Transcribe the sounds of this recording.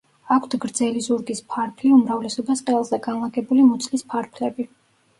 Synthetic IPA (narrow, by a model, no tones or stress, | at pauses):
akʷʰt̪ʰɡɾd̪zɛlizuɾɡispʰaɾpʰliumɾavlɛsɔbasqʼɛlˠzɛɡanlˠaɡɛbulimɔt̪sʼʰlispʰaɾpʰlɛbi